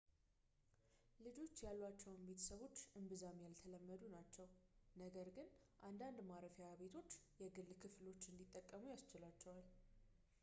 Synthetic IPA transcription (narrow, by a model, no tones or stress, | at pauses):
lɨd͡ʒo̞t͡ʃːjalːat͡ʃːɛwnbe̞t̪ʰə̥səβo̞t͡ʃːʔɨmbɨzamjalt̪ʰələmːəd̪unat͡ʃːɛwnəɡəɾɡɨnʔand̪and̪maɾəfjaβe̞t̪ʰo̞t͡ʃːjɛɡɨlːkʰɨflo̞t͡ʃːɨnd̪it̪ʼːəkʼːəmujast͡ʃɪlat͡ʃːɛwal